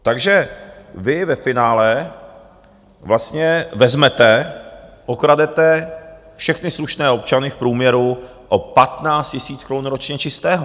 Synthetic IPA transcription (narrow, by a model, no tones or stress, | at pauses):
t̪aɡʒɛvɪvɛfɪnaːlɛ | vlast̪ɲɛvɛzmɛt̪ɛ | ʔokɾadɛt̪ɛ | fʃɛxnɪsluʃnɛːo̞pt͡ʃanɪfpɾuːmɲɛɾu | ʔopat̪naːt͡st̪cɪsiːt͡skɾonuɾot͡ʃɲɛt͡ʃɪst̪ɛːɦo